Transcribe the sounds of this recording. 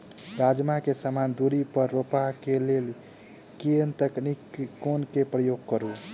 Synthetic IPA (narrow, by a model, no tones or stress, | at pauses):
ɾad͡ʒmakesamand̪uɾipəɾːopakelel | keənt̪əknikkːonkepɾəjoɡ̚kəɾu